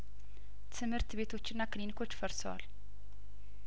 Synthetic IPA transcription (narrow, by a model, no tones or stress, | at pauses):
t̪ʰɨmɨɾt̪bet̪ʰo̞t͡ʃːɪnːakɨlinikʰo̞t͡ʃːfəɾsəwa̰l